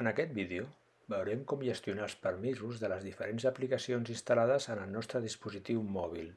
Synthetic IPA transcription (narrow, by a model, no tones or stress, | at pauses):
ənəkɛt̪̚biðeo | bəwɾɛmkɔmʒəst̪iunaəlˠspəɾmizuzðələzðifəɾenzəplikəsionzinst̪əlaðəzənəlˠnɔst̪ɾəðispuzit̪iwmɔβ̞ilˠ